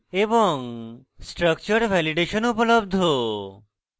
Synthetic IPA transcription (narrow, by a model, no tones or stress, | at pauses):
ebɔŋsʈɾʌk̚t͡ʃɔɾbʱɛliɖeʃɔnupolob̚d̪ʱo